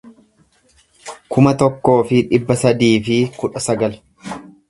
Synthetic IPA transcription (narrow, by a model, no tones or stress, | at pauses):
kʰʊmɐt̪ɔkːo̞ːfɪᶑɪbːɐsɐd̪iːfɪkʊᶑɐsɐɡɐl